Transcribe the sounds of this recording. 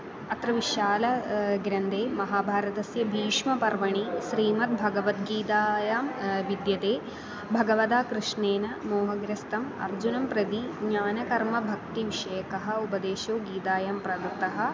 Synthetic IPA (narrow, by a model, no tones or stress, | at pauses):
ɐt̪ɾɐʋiʃaːlɐɡɾɐnd̪eːmɐɦaːbʱaːɾɐt̪ɐsjɐbʱiːʂmɐpɐɾʋɐɳiʃɾiːmɐt̪̚bʱɐɡɐʋɐt̪ɡiːt̪aːjaːmʋid̪jɐt̪eː | bʱɐɡɐʋɐd̪aːkɾuʂɳeːnɐmoːɦɐɡɾɐst̪ɐmɐ̰ɾd͡ʒunɐmpɾɐd̪iɡɲaːnɐkɐɾmɐbʱɐk̚t̪iʋiʂɐjɐkɐɦɐ̆upɐd̪eːʃoːɡiːt̪aːjaːmpɾɐd̪ɐt̪ɐɦɐ̆